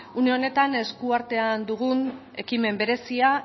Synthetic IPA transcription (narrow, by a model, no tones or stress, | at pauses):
uneo̞ne̞t̪ane̞skuaɾt̪e̞and̪uɣ̞un | e̞kime̞mbe̞ɾe̞sia